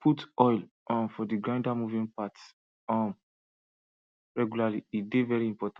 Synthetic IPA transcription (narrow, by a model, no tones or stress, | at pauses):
pʰutɔjl | ʔɔ̃nfɔdiɡɹãɪ̃ndamuvĩnpat | ɔ̃m | ɹɛɡjulaliidevɛɹiĩmpɔtã